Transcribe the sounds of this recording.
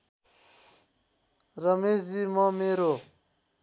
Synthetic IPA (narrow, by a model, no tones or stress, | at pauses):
ɾəmeːzimɔ̃ːmeːɾo